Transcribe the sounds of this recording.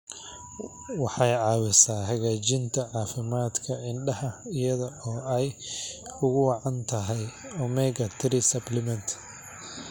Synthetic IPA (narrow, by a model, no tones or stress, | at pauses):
wɑħɑjʕɑːwɪsaːɦɐɣaːt͡ʃɪnt̪ʰɐʕɑːfɪmaːd̪kʰɐɪnɖɐɦɐɪjɐðɐɔːɛj | ʊɣʊwɑʕɑnt̪ʰɐɦɛjɔmɛɡɐt̪ʰɪɾisɐblɪmɐnt̪ʰ